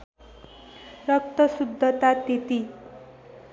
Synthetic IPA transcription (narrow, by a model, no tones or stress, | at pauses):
ɾʌkt̪ʌsud̪ʱːət̪at̪et̪i